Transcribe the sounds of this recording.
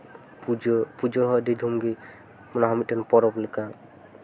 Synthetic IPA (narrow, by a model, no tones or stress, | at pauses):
pud͡ʒpud͡ʒɔɦɔɖid̪ʱumɡi | mɔnaɦɔmit̪̚dɛnpɔɾɔplɛka